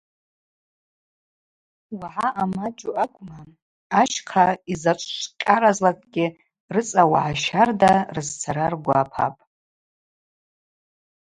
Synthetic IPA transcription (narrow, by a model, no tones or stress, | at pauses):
waʕaʔamad͡ʒʼuakʷʼma | aʃqʰaizat͡ʃʷʼʃʷqʲʼaɾazlakʼɡʲɪ | rɨt͡sʼawaʕaʃardarɨzt͡sʰaɾarɡʷa̰ːpʰa̰pʼ